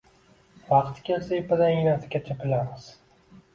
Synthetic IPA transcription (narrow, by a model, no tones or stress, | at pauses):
vɑqt̪kʲelsaepad̪aɪnasʰɪ̥kʲat͡ʃʰapɪlamɪz̥